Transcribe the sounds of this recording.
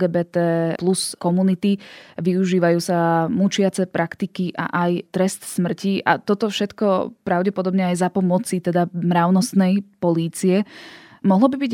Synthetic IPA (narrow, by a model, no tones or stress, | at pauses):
ɡɛːbɛːt̪ɛːpluskɔmunit̪iʋiuʒiːʋajuːsamut͡ʃɪat͡sɛpɾʔakt̪ikiʔa̰ʔajt̪ɾɛst̪smr̩ciʔa̰t̪ɔt̪ɔfʃɛt̪kɔpɾaʊɟɛpɔd̪ɔbɲɛajzapɔmɔt͡sit̪ɛd̪amɾaʊnɔst̪nɛjpɔliːt͡siɛ | mɔɦlɔbibiɟ